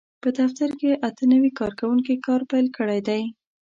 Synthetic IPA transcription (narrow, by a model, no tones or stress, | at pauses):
pəd̪aft̪aɾkeʔat̪ənawikɑɾkawuŋkikɑɾpajlkəɽajd̪aj